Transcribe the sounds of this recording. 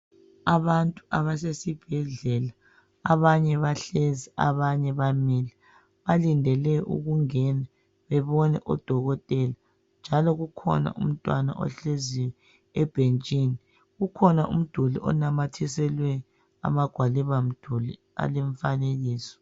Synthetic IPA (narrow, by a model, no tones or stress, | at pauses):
aβantʼuaβasesib̥ʱɛɮɛlaː | βaɲɛβaɬezia̰βaɲɛβamiːlɛ | βalindʱɛlɛʔṵɣuŋɛnɛ | βɛβɔnɛ̰ʔɔ̰d̥ʱɔɣɔtʼɛla | nd͡ʒʱalɔɣukʰɔ̰na̰ʔum̩tʼwana̰ʔɔ̰ɬeziwɛ | ɛb̥ʱent͡ʃʼiːni | ɣukʰɔnaʔṵm̩d̥ʱulḭʔɔ̰namatʰisɛlwɛ | a̰maɡ̥ʱwaliβam̩d̥ʱuli | a̰lɛɱfaneɣiːsɔ̥